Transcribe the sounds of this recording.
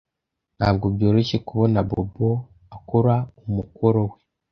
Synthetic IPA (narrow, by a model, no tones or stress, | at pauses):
n̥haːb̚ɡobjo̞ːɾece̞kuβo̞nabo̰bo | akoɾaumukoɾowe